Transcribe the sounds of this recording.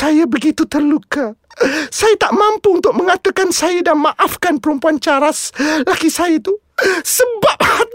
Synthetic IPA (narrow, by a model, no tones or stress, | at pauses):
sajabəɡit̪ut̪ərluka | sajat̪aʔmãmpuunt̪ʊk̚mə̃ŋat̪akansajadamãʔafkanpəɾumpuant͡ʃaɾaslakisajat̪u | səbap̚ha